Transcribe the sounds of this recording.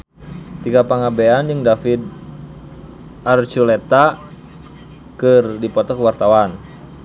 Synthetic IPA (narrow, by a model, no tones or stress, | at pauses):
t̪iɡapaŋabeanjəŋdafid̪̚ | art͡ʃulɛt̪a | kɨrdipɔt̪ɔkəwart̪awan